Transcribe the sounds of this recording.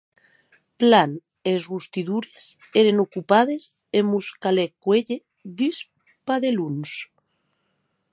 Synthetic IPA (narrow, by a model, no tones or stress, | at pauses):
plan | ezɣust̪iðuɾes | eɾenokupað̞ez | emuskalekweʎe | ðis | paðeluns